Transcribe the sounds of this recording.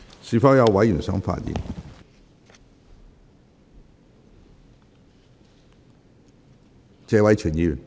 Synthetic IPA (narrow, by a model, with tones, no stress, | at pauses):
siː˨˩fɔː˨˥wjɐ˨˧wwɐ˨˥jyː˨˩nsœ̰ː˨˥ŋfa̰ː˧t̚jḭ˨˩n | t͡sɛː˧wɐ˨˥jt͡ʃʰyː˨˩njiː˨˧jyː˨˩n